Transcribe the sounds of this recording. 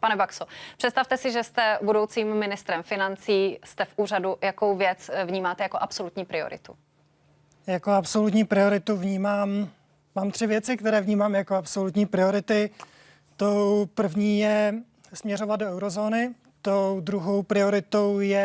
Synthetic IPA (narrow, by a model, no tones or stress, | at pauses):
panɛbaksopr̥ɛtst̪aft̪ɛsɪʒɛst̪ɛbudo̞wt͡siːmːɪnɪst̪ɾɛmfɪnant͡siːst̪ɛfʔuːradujakowvjɛt͡svɲiːmaːt̪ɛjakoʔapsolut̪ɲiːpɾɪo̰ɾɪ̰t̪u | jakoapso̞lut̪ɲiːpɾɪo̞ɾɪt̪uvɲiːmaːm | maːmt̪r̝̥ɪvjɛt͡sɪk̚t̪ɛɾɛːvɲiːmaːmjakoapso̞lut̪ɲiːpɾɪo̞ɾɪt̪ɪ | t̪owpr̩vɲiːjɛ | smɲɛro̞vat̪doɛwɾo̞zo̞ːnɪ | t̪owd̪ɾuɦo̞wpɾɪo̞ɾɪt̪o̞wjɛ